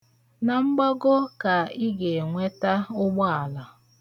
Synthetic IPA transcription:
na˨ŋ͡m̩˦ɡ͡bɔ˦ɡo˦ka˨i˦ɡe˨ŋʷe˦ta˦ʊ˦ɡ͡bɔ˦a˨la˨

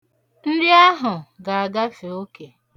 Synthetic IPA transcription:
n̩˦ɾi˦a˦ɦʊ˨ɡa˨a˨ɡa˦fe˨o˦ke˨

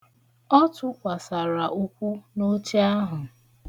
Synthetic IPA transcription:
ɔ˦tʊ˦kʷa˨sa˨ɾa˨ʔu˦kʷu˦no˦t͡ʃe˦a˦ɦʊ˨

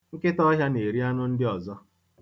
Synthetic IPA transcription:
ŋ̩˦kɪ˦tɔ˦ɦja˦ne˨ɾi˦a˦nʊ˦n̩˦dɪ˦ɔ˨zɔ˦

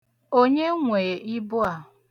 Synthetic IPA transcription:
o˦ɲe˦ŋʷe˨je˨ʔi˦bʊ˦a˨

